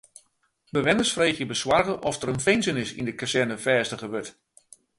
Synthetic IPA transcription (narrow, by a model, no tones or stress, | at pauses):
bəʋɪnəsfreːxjəbəswarɣəʔɔfdəɾənfɪnsənɪsḭndəkasɛrnəfɛːstəɣəʋøt